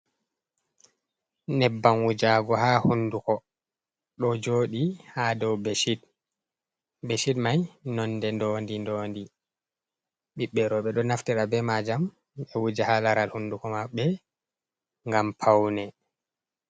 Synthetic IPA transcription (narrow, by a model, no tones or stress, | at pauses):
nɛbːanwud͡ʒaɡɔhahundukɔ | ɗɔd͡ʒoːɗihadɔwbɛʃid | bɛʃidmajnɔnːdɛndɔndindɔːndi | ɓiɓːɛɾɔɓɛɗɔnaftiɾabɛmad͡ʒam | ɓɛwud͡ʒahalaɾalhundukɔmaɓːɛ | ŋɡampʰawnɛ